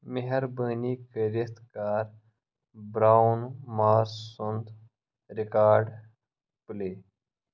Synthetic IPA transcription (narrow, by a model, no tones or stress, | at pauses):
miɦɐɾbəːniːkəɾit̪kaːɾ | bɾaːnmaːɾssund̪ | ɾikaːɾɖ | pleː